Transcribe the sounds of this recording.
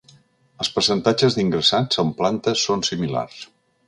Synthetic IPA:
əlˠspəɾsənt̪ad͡ʒəzðiŋɡɾəsazəmplant̪əsːonsimila̰rs

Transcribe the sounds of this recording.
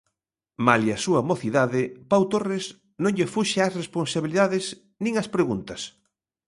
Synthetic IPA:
maliasuɐmoθiðaðɪpawt̪ores | nõŋʎefuʃeasresponsaβiliðaðɪs | nĩŋɐspɾeɣunt̪ɐs

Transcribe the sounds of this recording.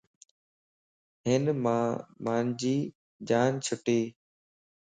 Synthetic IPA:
ɦɪnmaːmaːnd͡ʑiː | d͡ʒaːnt͡ʃʰʊʈeː

